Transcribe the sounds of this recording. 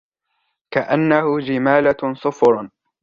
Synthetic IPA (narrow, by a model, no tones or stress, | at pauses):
kaʔanːahʊd͡ʒɪmaːlasˤʊfɾˤ